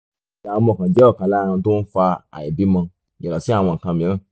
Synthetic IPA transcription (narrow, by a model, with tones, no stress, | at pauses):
a˨wõ˧mɔ̃˨kã˨d͡ʒɛ˦ɔ˦˨kã˨˦lã˦˧ã˧to˦n̩˦fa˧a̰˨i˨bi˨˦mã˧ | i˨ɾɔ˨si˨˦a˦˨w̃ɔ̃˧ŋ̩˨kã˧mĩ˨˦ɾ̃ã˦˨